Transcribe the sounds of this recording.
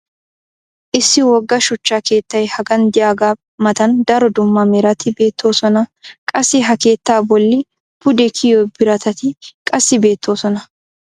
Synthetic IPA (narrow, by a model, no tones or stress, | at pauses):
ʔɪsːɪwɔɡːɐʃʊt͡ʃːaːke̞ːt̪ːɐjhɐɡɐnd̪ɪjaːɡaː | mɐt̪ɐnd̪ɐɾɔd̪ʊmːɐmɛɾɐt̪ɪbe̞ːt̪ʰːo̞ːsɔnɐkʼɐsɪɦɐke̞ːt̪ːaːbɔlːɪ | pʊd̪ɛkʰɪjoːbɪɾɐt̪ʰɐt̪ɪkʼɐsːɪbe̞ːt̪ːo̞ːsɔnɐ